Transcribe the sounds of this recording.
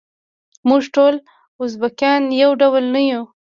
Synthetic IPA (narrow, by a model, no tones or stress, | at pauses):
muʐʈol | ʊzbakjɑnjawɖawlnaju